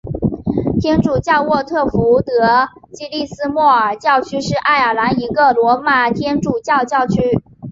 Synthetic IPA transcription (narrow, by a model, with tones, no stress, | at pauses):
t̪ʰjɛ˥nʈ͡ʂu˨˩t͡ɕjɑ˥˧ʊwɔ˥˧t̪ʰɤ˥˩fu˧˥t̪ɤ˧˥ | t͡ɕi˥li˥˩sɹ̩˥mwɔ˥˩ə˞˨˩t͡ɕjɑ˥˩ʊt͡ɕʰy˥ʂɻ̩˥˧ʔa˥˩ɪə˞˨˩la˧˥ni˧˥ɡə˨lwɔ˧˥ma˨˩t̪ʰjɛ˥nʈ͡ʂu˨˩t͡ɕjɑ˥˧ʊt͡ɕjɑ˥˩ʊt͡ɕʰy˥